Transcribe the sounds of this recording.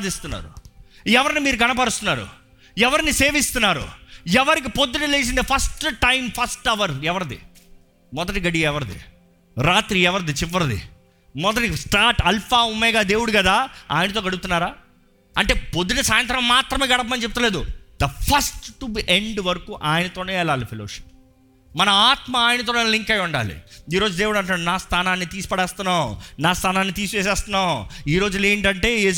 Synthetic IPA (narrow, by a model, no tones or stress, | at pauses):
d̪ist̪unːa̰ːɾṵ | ɛʋɐɾinimiːɾuɡɐnɐp̬ɐɽust̪unːaːɾṵ | ɛʋɐɾinise̞ːʋist̪unːaːɾṵɛʋɐɾik̬ipod̪ːuʈɐleːs̬ind̪ipʰɐsʈʈɐjmpʰɐsʈɛʋɐɾɛʋɐɾɐd̪ḭ | mɔd̪ɐʈiɡɐɽiɛʋɐɾɐd̪ḭ | ɾaːt̪ɾiɛʋɐɾɐd̪it͡ʃiʋːɐɾɐd̪ḭ | mɔd̪ɐʈisʈaːɾʈɐlpʰaːumːɛːɡaːd̪e̞ːwuɽukɐd̪aːa̰ːjinɐt̪̬oːɡɐɽup̚ut̪unːaːɾaː | ɐɳʈe̞ːpod̪ːinɐsaːjɐnt̪̬ɾɐmːaːt̪ɾɐmeːɡɐɽɐp̬ɐmɐnit͡ʃep̬̚t̪ɐle̞ːd̪ud̪ɐpʰɐsʈːubiʔeɳɖʋɐɾɐkuːʔaːjɐnɐt̪oːne̞ːɛlaːlipʰeloːʃi̥p̚ | mɐnɐaːt̪mɐaːjinɐt̪̬oːneːliŋkɐjuɳɖa̰ːlḭiːɾo̞ːd͡ʒud̪e̞ːwuɽɐɳʈ̬ːnaːɽunaːst̪ʰaːnaːnːit̪iːsu̥pɐɽɛːst̪unːaːwnaːst̪ʰaːnaːnːit̪iːsut͡ʃɛːs̬ɛːst̪unːaːwiːɾo̞ːd͡ʒuleːɳʈɐɳʈe̞ːeː